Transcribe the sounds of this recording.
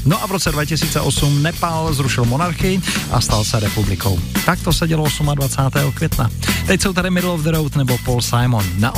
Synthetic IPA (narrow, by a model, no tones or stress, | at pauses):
noʔavɾot͡sɛdvacɪsiːt͡sɛʔosumnɛpalzɾuʃɪlmonaɾxɪɪʔa̰st̪alsɛɾɛpublɪkʰo̞̰wt̪ak̚t̪osɛɟɛloosumadvat͡saːt̪ɛːɦokvʲjɛt̪nat̪ɛcsowt̪aɾɪmɪdlovd̪ɾowt̪nɛbopolsajmonːaʔ